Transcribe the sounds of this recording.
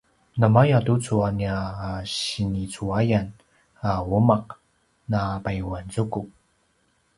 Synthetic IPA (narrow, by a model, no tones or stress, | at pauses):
nəmajatut͡suaniaːɕinit͡suajan | awumaq̚ | napajuwant͡sukup̚